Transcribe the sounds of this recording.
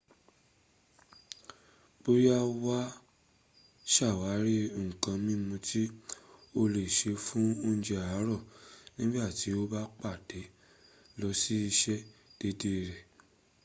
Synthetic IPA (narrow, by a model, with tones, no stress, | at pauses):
k͡po˦ɾi˦a˧wa˦ | ʃa˦˨wa˨˦ɾi˦˨kã˧mĩ˦mũ˧tʰi˦o˧le˨ʃe˨˧fũ˦o˦ñ̩˧˦d͡ʒe˧a˨a˨˦ɾɔ˦˨nĩ˦ɡ͡ba˦˨ti˨˦o˦ba˦k͡pa˦˨d̥e˨˦ | lɔ˧si˦i˧ʃɛ˦d̥e˧de˦˨ɾɛ˨